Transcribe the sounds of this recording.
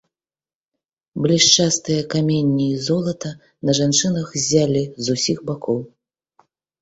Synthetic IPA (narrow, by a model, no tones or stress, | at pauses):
blʲiʂt͡ʂast̪ɨjɐkamʲenʲːiizɔlˠɐt̪ɐ | nɐʐant͡ʂɨnɐxzʲalʲizusʲixbakʰɔw